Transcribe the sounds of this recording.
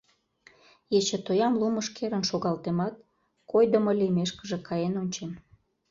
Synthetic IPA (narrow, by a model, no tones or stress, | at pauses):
jet͡ɕet̪ojɑmluməʃkeɾənʃoɣɑlt̪emɑt̪̚ | kojd̪ə̆məlimeʃkəʒĕkʰɑjenonʲt͡ɕen